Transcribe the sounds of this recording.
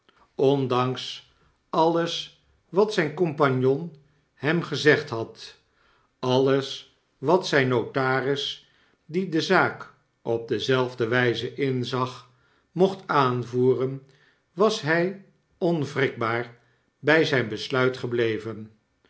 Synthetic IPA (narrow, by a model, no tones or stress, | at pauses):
ɔndɑŋs | ɑləs | ʋɑtsɛjnkɔmpɑɲjɔn | hɛmχəzɛχtɦɑt | ɑləs | ʋɑtsɛjnːotaːrɪs | didəzaːk | ɔb̚dəzɛlˠvdəʋɛjzəʔɪnzɑχ | mɔχtaːnvuːrən | ʋɑsɦɛj | ɔnvrɪk̚baːɹ | bɛjzɛjnbəslœɥtχəblejvən